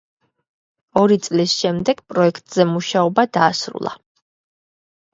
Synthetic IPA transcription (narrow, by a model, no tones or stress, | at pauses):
ɔɾit̪sʼlisʃɛmd̪ɛɡ̥pʼɾɔɛkʰt̪ʼz̥ɛmuʃaɔbad̪aːsɾṵlˠa̰